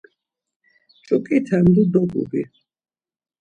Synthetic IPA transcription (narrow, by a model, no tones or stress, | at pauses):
t͡ʃʼukʼit̪ʰand̪ud̪ɔɡṵbi